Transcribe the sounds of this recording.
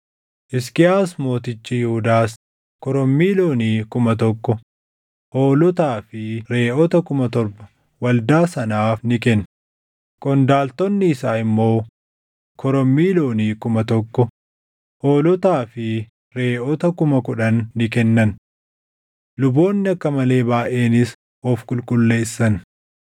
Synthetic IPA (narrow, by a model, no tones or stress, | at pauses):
ʔɪskɪaːs̬mo̞ːt̪ɪt͡ʃːijɪhʊd̪aːs | kɔɾɔmːiːlo̞ːniːkʊmɐt̪ɔkːɔ | ʔo̞ːlɔt̪aːfɪɾe̞ːʔɔt̪ɐkʊmɐt̪ɔɾbɐ̥ | wɐld̪aːsɐnaːfnɪkɛnː | kʼɔnd̪aːlt̪ɔnːɪːsaːɪmːo̞ː | kʰɔɾɔmːiːlo̞ːniːkʊmɐt̪ɔkːɔ | ho̞ːlɔt̪aːfɪ | ɾe̞ːʔɔt̪ɐkʊmɐkʊᶑɐnːɪkɛnːɐn | lʊbo̞ːnːɪɐkːɐmɐle̞ːbaːʔe̞ːnɪs | ɔfkʼʊlkʼʊlːe̞ːsːɐn